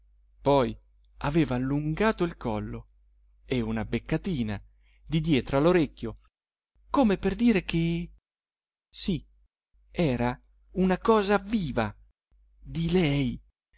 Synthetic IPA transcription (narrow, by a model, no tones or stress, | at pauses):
pɔj | a̰veːvaːlːuŋɡaːt̪oilkʰɔlːo | eunabekːat̪iːna | d̪id̪jɛːt̪ɾoaloɾekʲːjo | komeperd̪iːɾek̟e | si | ɛːɾa | unakɔːzaviːva | d̪ilɛj